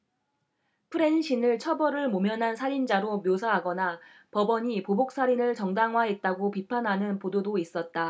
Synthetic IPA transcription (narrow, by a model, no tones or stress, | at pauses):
pʰɯɾe̞nɕʰinɯɭt͡ɕʰʌbʌɾɯɭmomjʌnɦansʰaɾind͡ʑaɾomjosʰaɦaɡʌna | pʌbʌɲipobok̚s͈aɾinɯɭt͡ɕʌŋdaŋɦwaɦet̚t͈aɡopipʰanɦanɯnpododois͈ʌt̚t͈a